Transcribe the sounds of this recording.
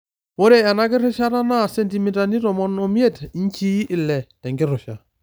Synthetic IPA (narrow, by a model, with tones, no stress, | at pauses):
wo˦ɾe˨a˨na˦kɪ˦ɾɪ˦ʃa˦ɾa˦na˦˨sɛ˦nti˨mi˦ta˨ni˦ɾɔ˨mɔ˦nɔ˨mje˦ti˦ɲ˦t͡ʃi˦ʔɪ˨lɛ˨tɛ˨ŋɡɪ˦ɾɔ˨ʃa˨